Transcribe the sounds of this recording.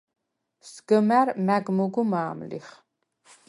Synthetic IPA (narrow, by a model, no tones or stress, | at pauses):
sɡəmæɾmæɡmuɡumaːmlḭχ